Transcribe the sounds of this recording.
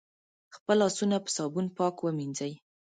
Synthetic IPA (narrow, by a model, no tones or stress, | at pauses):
xpəlɑsunapə̥sɑbunpɑkwəminzəj